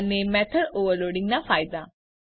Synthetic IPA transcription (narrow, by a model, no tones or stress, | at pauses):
nːemɛt̪ʰəɖoːʋəɾloːɽĩŋɡnafaːjd̪a